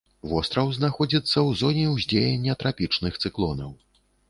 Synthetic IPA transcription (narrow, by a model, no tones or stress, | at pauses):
vɔst̪ɾɐwznaxɔd͡zʲit̪sːɐwzɔnʲɛwzʲd͡zʲejɛnʲːɐt̪ɾapʲit͡ʂnɨxt̪sɨklˠɔnɐw